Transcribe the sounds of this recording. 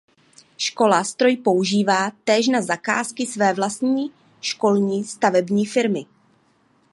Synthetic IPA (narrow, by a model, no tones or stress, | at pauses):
ʃko̞last̪ɾo̞jpo̞uʒiːvaːt̪ɛːʃnazaka̰ːskɪsvɛːvlast̪ɲiː | ʃko̞lɲiːst̪avɛbɲiːfɪɾmɪ